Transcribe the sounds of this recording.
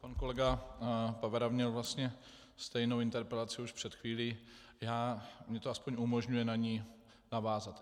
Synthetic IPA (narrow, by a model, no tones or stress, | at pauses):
panko̞lɛɡapavɛɾamɲɛlvlast̪ɲɛ | st̪ɛjnowɪnt̪ɛɾpɾɛlat͡sɪuʃpr̥ɛt̪xviːliː | jaːmɲɛt̪oaspo̞ɲumoʒɲujɛnaɲiː | navaːzat̪